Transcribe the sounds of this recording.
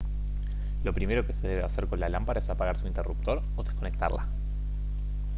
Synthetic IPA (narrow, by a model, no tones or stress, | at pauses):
lo̞pɾime̞ɾo̞kese̞ðe̞βeaseɾko̞nlalampaɾaesapaɣaɾsuint̪erup̚t̪o̞ɾ | oðesko̞nek̚t̪a̰ɾla̰